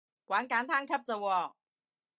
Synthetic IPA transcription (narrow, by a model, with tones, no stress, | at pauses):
kwaː˨˥nkaː˨˥nt̪ʰaː˥ŋkʰɐ˥p̚t͡sɐ˨˧wɔː˧